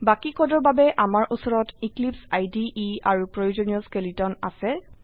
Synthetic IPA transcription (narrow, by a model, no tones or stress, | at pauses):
bakikʰɔdɔɹbabɛʔamaɹʔusɔɹɔtiklipsajdiʔiaɹupɹojozɔnijɔskelitɔna̰sɛ